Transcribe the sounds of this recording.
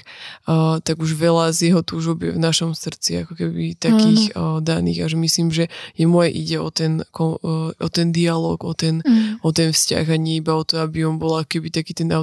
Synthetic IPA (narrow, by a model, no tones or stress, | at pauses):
t̪aɡuʒʋɛlazjɛɦɔt̪uːʒɔbjɛ̰vnaʃɔmsr̩t͡sia̰kɔkɛbḭt̪akiːɣd̪anḭːɣaʒɛmisliːmʒɛjɛmɔjɛʔiɟɛɔt̪ɛnkɔɔt̪ɛnd̪ialɔ̰ːɡɔt̪ɛnɔt̪ɛnfsca̰ɣaɲɛibaɔt̪ɔabiɔmbɔlakɔ̥kɛbit̪akiːt̪ɛnaʊ